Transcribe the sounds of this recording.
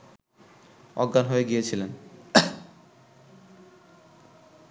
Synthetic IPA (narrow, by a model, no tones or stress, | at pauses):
ɔɡːanɦoeɡijet͡ɕʰilen